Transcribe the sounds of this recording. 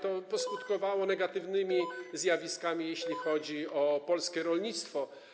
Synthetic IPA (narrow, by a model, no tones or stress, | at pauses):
t̪ɔpɔskut̪kɔvawɔnɛɡat̪ɘvnɘmʲizjavʲiskamʲijeɕlʲixɔd͡ʑiɔpɔlskʲɛɾɔlɲit̪st̪fɔ